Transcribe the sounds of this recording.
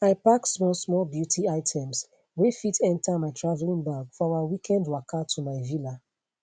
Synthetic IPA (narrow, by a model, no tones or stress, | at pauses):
aɪpaksmɔlsmɔlbjutʰiaɪtʰɛ̃ms | wefitɛ̃ntʰamaɪtʰɹavlĩnbaɡfɔawawikʰɛ̃ndwakatʰumaɪvila